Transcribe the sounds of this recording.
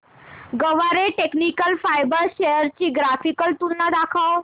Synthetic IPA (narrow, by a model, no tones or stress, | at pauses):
ɡəʋaɾeʈeknikəlfajbəɾɕejəɾt͡ɕiːɡɾafikəlt̪ulnad̪akʰaw